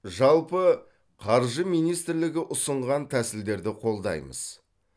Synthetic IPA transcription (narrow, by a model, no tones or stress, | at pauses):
ʒɑlˠpə | qʰɑɾʒəmijnijst̪ɪɾlɪɡʲɪʔʊsəɴʁɑnt̪ʰæsɪld̪e̞ɾd̪ɪqʰo̞lˠd̪ɑ̰jmə̰z̥